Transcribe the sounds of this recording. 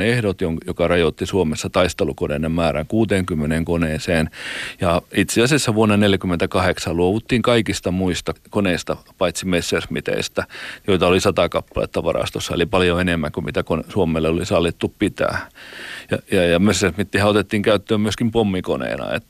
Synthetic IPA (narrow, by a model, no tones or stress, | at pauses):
ehɾot̪joŋjokɑrɑjot̪ːisuomesːɑt̪ɑist̪elukonḛːnemmæːɾæ̰ŋkuːt̪eːŋkymːeneːŋkoneːseːnjɑit̪seɑsesːæʋuonːɑneljækymːent̪ækɑheksɑlluoʋut̪ːiːŋkɑikist̪ɑmuist̪ɑkoneist̪ɑpɑit̪simesːersmit̪ḛist̪æjoit̪ɑolisɑt̪ɑkɑpːɑlḛːˑt̪ːɑʋɑrɑ̰st̪osːɑḛlipɑljoenemːæŋkumit̪ækonsuomelːeolisɑlːit̪ːuppit̪æ̰ːjɑjɑjɑmesːersmit̪ːihæot̪et̪ːiːŋkæyt̪ːøːmmyøskimpomːiko̰nḛːnɑ̰ḛt̪ː